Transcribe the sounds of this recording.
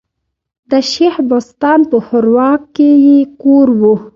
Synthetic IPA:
d̪əʃehbost̪ɑnpəxʊɾwɑkːejekoɾwu

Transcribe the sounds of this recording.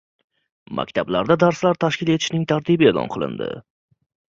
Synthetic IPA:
ma̰kʲt̪ʰablaɾd̪ad̪aɾslaɾt̪ʰaʃkʲɪle̞t̪ʰɪ̥ʃnɪŋt̪ʰaɾt̪ʰibɪe̞lˠɒ̰nqʰɨlˠɪ̰nd̪ɪ̰

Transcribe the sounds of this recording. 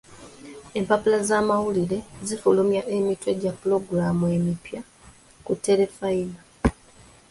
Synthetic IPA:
e̞mpapulazaːmawuliɾe̞zifulumjaʔemitwe̞ɟapːulo̞ɡuɾaːmue̞mipja | kutːe̞le̞faina

